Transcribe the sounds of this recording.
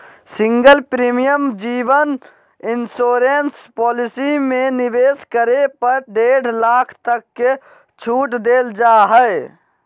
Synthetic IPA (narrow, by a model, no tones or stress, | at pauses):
sĩŋɡəlpɾimijəmd͡ʒiʋən | insoːɾenspɔːlisimeniʋeskəɾepəɾɖeɽ̤laːkʰt̪əkːe | t͡ʃʰuːʈd̪eld͡ʒaɦəɪ